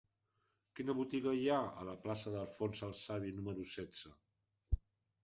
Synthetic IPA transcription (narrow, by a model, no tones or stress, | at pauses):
kinəβut̪iɣəjaə̰ləplasəðəlˠfonsəlˠsaβinuməɾusɛdd͡z̥ə